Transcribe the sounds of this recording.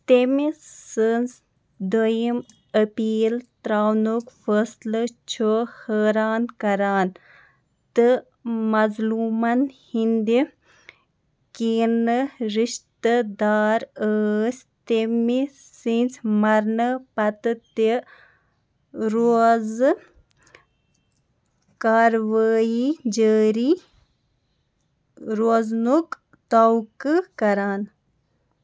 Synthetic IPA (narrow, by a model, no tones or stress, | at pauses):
t̪emisɨns | d̪ojim | əpiːlt̪ɾaːwnokfəslɨt͡ʃʰohəːɾaːnkɐɾaːn | t̪ɨ | mɐzluːmɐnhind̪i | kiːnɨɾiʃt̪əd̪aːɾəːsʲ | t̪emi | sint͡smɐɾnəpɐt̪ɨt̪i | ɾoz | kaːɾʋaːid͡ʒəːɾi | ɾoznuk | t̪ɐwkɨkɐɾaːn